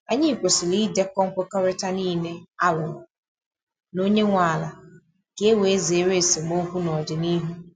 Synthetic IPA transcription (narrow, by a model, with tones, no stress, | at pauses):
a˨ɲi˦i˨kʷo˨sɪ˨li˦de˦kɔ˦ŋ̩˦kʊ˦kɔ˦ɾɪ˦ta˦niː˦˨ne˦a˦lʊ˨ | no˦ɲe˦ŋʷa˨la˨ | ke˦we˨˦ze˨˦ɾe˦˨se˨mo˦ɦu˦nɔ˨dɪ˨ni˦ɦu˦